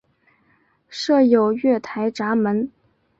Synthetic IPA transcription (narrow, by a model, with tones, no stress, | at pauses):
ʂɤ˥˩jo˨˩ʊɥɛ˥˩t̪ʰa˧˥ɪʈ͡ʂa˧˥mə˧˥n